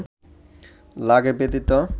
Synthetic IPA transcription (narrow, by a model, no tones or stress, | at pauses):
laɡepet̪it̪o